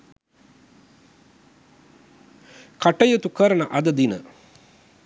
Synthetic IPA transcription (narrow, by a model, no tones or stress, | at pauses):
kaʈəjut̪ukəɾənəʔɐd̪əd̪inə̰